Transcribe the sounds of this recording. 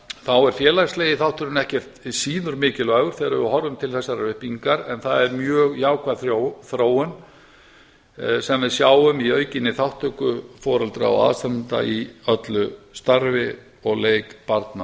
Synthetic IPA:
θawɛɾ̥fjɛːlajsleːjɪθawht̪ʰʏɾʏnɛhcɛr̥t̪siːnʏɾmɪːcɪlaːɣʏɾ̥θɛːɾaɪɦɔɾʏmt̪ʰɪlθɛsːaɾaʏhpiŋkaɾɛnθaðɛɾmjœːɣjaːwkʰvaðθoθɾoːwʏn | sɛmvɛðsjaːwʏmiœːɥcɪnːɪθawht̪ʰœkʏfɔːɾalt̪ɾa̰a̰wa̰ðst̪annt̪a̰iœt̪lʏst̪aɾvɪ | ɔɣleːjkpaɾt̪na

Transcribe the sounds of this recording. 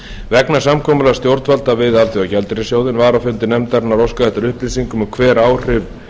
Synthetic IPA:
vɛknḁsamkʰɔːmʏlast̪jowɾt̪valt̪avɪðalt̪ʰiawcɛlt̪ɪɾɪsjowðɪnvaɾawfʏnt̪ɪnɛmt̪aɾnaɾɔwskaðɛht̪ʏɾʏhplisiŋkʏmʏkʰvɛːɾaːwr̥ɪv

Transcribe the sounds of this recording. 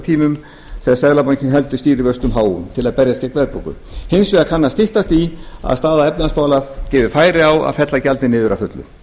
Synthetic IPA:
t̪ʰiːmʏm | θɛsɛðlapaɲcɪnɦɛlt̪ʏst̪iːɾɪvœst̪ʏmɦaːwʏ̰mt̪ʰɪlaðpɛɾjascɛkvɛðpɾo̰wkʏ̰ | hensvɛɣakʰanːast̪ɪht̪ast̪ia̰ðst̪aːðaɛp̪nanaspaːwlacɪːvʏfaːjɾɪawa̰ðfɛt̪lacalt̪nɪnɪːðʏɾʔafʏt̪lʏ̰

